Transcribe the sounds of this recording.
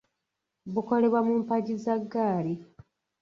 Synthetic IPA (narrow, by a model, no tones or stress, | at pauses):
buko̞le̞βwamuːmpaɟizaɡːaːli